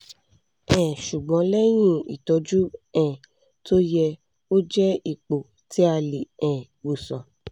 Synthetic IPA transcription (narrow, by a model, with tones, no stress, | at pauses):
ɛ̃˨ʃu˨ɡ͡bɔ̃˨˧˦lɛ˦j̃ĩ˦ḭ˨tɔ˨˧˦d͡ʒu˦ɛ̃˦˨ | to˦jɛ˧ | o˦d͡ʒɛ˦i˨k͡po˨ | ti˨˦a˧li˨ɛ̃˨ | wo˨sɔ̃˨